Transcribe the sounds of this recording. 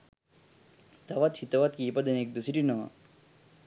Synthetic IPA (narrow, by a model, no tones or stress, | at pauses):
t̪ɐʋat̪hit̪ɐʋat̪kiːpɐd̪ɐnek̚d̪usiɾinɐ̰